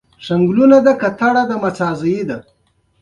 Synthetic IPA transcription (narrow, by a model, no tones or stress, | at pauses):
ʂaŋɡlunad̪akat̪aɽad̪amat͡sɑːzəjid̪a